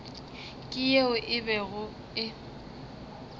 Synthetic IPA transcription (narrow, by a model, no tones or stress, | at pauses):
kʼɪjeʊʔɪbɛɣʊ | ɪ